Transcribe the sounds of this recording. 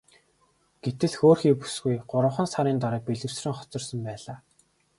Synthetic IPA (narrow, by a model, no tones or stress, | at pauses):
ɡ̥et̪ɘ̆ɮxoːrxiːpu̥sɡujɢʊɾə̆wχə̆nsaɾiːnt̪aɾaːk̚peɮɘ̆wsrɘ̆ŋχɔ̥t͡sɞ̆rsə̆mpæːɮaː